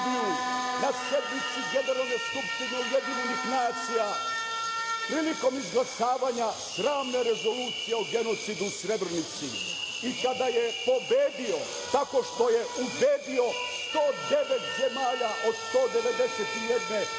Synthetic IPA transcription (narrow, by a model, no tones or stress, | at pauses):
u | nasjed̪nit̪siɡe̞ne̞ɾalne̞jskupʃt̪ineujed̪iɲenixnaːt̪sija | pɾiːliko̞mizɡlˠasaːʋaɲa | sɾaːʋne̞ɾe̞zo̞luːt̪sijeoɡe̞no̞t̪sid̪usɾe̞bɾnit̪sḭ | ikad̪ajepo̞beːd̪io | t̪ako̞ʃt̪ojeubeːd̪io̞st̪oːd̪e̞ʋet̪ze̞maːʎaʔo̞d̪st̪o̞ːd̪e̞ʋe̞d̪e̞set̪ijed̪ne